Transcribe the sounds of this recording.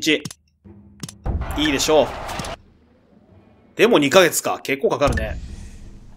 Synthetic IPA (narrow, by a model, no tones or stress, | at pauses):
t͡ɕi | iːd̪e̞ɕo̞ː | d̪̥e̞mo̞ɲ̟ikaɡe̞t͡sɨ̥ka̰ke̞kːo̞ːkakaɾɯ̟ne̞